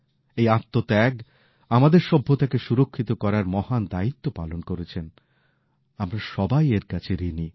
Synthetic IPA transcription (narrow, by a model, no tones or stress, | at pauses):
ejat̪ːot̪ɛɡ | amad̪eɾʃɔbʱːot̪akeʃuɾokʰːit̪okɔɾaɾmɔhand̪ait̪ːopalonkoɾet͡ɕʰen | amɾaʃɔbajeɾkat͡ɕʰeɾini